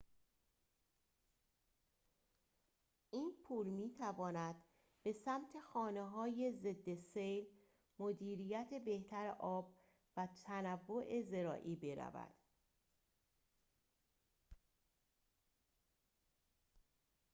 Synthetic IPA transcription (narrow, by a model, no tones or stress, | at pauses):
ʔiːnpʰuːlmiːt̪ʰævɒːnæd̪̥ | be̞sæmt̪ʰe̞xɒːne̞ɦɒːjeze̞d̪ːe̞sejl | mod̪iːɾiːjæt̪ʰe̞be̞ht̪ʰæɾeʔɒːb | væt̪ʰænævːo̞ʔeze̞ɾɒ̰ːʔiːbe̞ɾæ̰væ̰d̪̥